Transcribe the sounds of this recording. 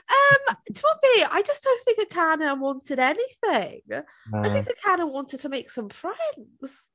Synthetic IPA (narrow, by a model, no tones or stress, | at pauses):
ʌ̃mtʰʌpiaɪd͡ʒʌsd̥õʊ̃nθɪ̃ŋkɨkʰanəwɑ̃ntɪɾɛniθɪ̃ŋ | aɪθɪ̃ŋkɨkʰanəwɑ̃ntɪd̚tʰəmeɪksʌ̃mfɹ̥ɛ̃nz̥